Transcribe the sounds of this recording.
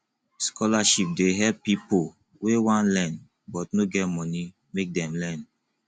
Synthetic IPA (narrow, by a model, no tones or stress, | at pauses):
skʰɔlaʃip̚deɦɛpipo | wewãnlɛ̃n | bɔtnoɡɛtmɔni | mek̚dɛ̃mlɛn